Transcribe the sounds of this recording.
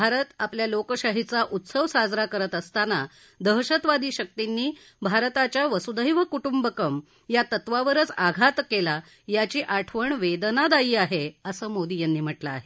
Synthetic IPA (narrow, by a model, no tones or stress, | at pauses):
bʱaɾət̪apljalokəɕaɦit͡saʔut̪səʋsad͡zɾakəɾət̪əst̪ana | d̪əɦɕət̪ʋad̪iːɕək̚t̪inːiː | bʱaɾt̪at͡ɕjaʋəsud̪əjʋəkuʈumbəkəm | jat̪ət̪ʋaʋəɾət͡saɡʱat̪kela | jat͡ɕiːʔaʈʰʋəɳʋed̪nad̪aiːaɦeəsəːmod̪iːjanːiːm̤əʈlaːɦe